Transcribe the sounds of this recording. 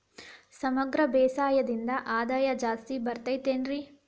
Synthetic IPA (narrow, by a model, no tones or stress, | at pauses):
sɐmɐɡɾɐbɛːsaːjɐd̪ind̪ɐʔaːd̪aːjɐd͡ʒaːst̪ibɐɾt̪ɐjt̪eːnɾi